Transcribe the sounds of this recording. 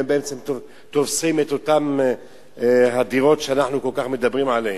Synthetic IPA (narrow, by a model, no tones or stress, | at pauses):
embeemt͡se̞mto | t̪ovsimet̪o̞t̪am | ɦad̪iʁo̞tʃeanaħnuko̞lkaχme̞d̪abʁimʕalehe